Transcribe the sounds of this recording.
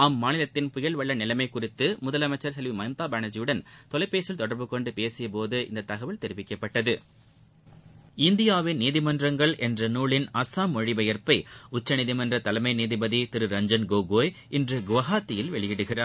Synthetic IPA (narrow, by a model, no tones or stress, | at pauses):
ɐmːaːnɪlɐt̪ːɪnpʊjɐlʋɐɭːɐnɪlɐmɐɪkːʊrɪt̪ːɯmʊðɐlɐmɐɪt͡ʃːɐɾsɛlʋimɐɪmt̪aːbaːnɐd͡ʒɪjɯɽɐnt̪ɔlɐɪpːeːsɪlt̪ɔɽɐɾbɯkɔɳɖɯpeːsɪjɐpoːðɯʔɪ̰nd̪ɐt̪ːɐɣɐʋɪlt̪ɛɾɪʋɪkːɐpːɐʈːɐðɯ | ɪnd̪ɪjaːʋɪnniːðɪmɐndrɐŋɡɐɭʔɛndrɐnuːɭɪnɐsaːmɔɻɪbɐjɐɾpɐɪʊt͡ʃːɐniðɪmɐndrɐt̪ɐlɐmɐɪniːðɪbɐðit̪ɪɾɯɾɐɲd͡ʒɐnɡoːɡoːjʔɪndrɯɡʊʋɐɣaːt̪ːɪjɪlʋɛɭɪjɪɽɯɣɪraːɾ